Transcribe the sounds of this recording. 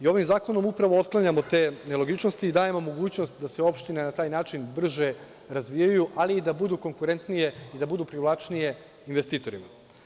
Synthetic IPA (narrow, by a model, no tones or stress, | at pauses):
io̞ʋimzaːko̞no̞mupɾaʋoot̪̚klˠaɲamot̪e̞ːne̞lo̞ɡit͡ʃno̞st̪iːd̪aːjemomo̞ɡuːt͡ɕno̞st̪d̪aseo̞pʃt̪inenat̪aːjnaːt͡ʃinbr̩ʒe̞ | ɾazʋijajuʔaliːd̪abud̪uko̞ŋkuɾe̞nt̪nije̞id̪abud̪upɾiʋlˠat͡ʃnije̞ | inʋest̪iːt̪o̞ɾima